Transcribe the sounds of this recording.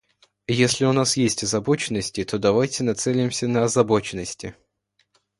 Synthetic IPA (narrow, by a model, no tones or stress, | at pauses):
jesʲlʲɪʊnasjesʲtʲɐzɐbot͡ɕɪnːəsʲtʲɪt̪o̞d̪ɐvajtʲɪnɐt̪sɛlʲɪmsʲənəɐzɐbo̞t͡ɕɪnːəsʲtʲɪ̰